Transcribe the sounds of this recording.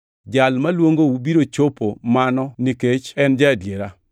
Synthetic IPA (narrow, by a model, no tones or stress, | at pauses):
d͡ʒalmalwoŋɡoubiɾot͡ʃopomanɔniket͡ʃɛnd͡ʒadjeɾa